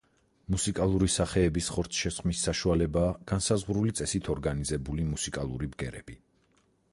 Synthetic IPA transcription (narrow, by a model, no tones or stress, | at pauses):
musikʼalˠuɾisaχɛːbisχɔɾt̪sʰʃɛsqʼmisːaʃualɛbaːɡ̥ansazʁɾulit̪sʼɛsit̪ʰɔɾɡanizɛbulimusikʼalˠuɾibɡɛɾɛbi